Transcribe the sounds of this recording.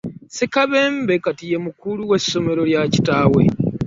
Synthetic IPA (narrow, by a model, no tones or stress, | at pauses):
sikaβe̞mbe̞katije̞mukuluwe̞sːo̞me̞ɾo̞ljaci̥taːwe̞̰